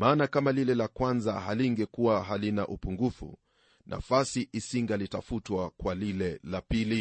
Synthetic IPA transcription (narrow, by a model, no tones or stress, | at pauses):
maːnakamalilɛlakwanzahaliŋɡɛkuwaɦalinaʔupuŋɡufṵ | nʔa̰fasiʔisiŋɡalitafutwakwalilɛlapili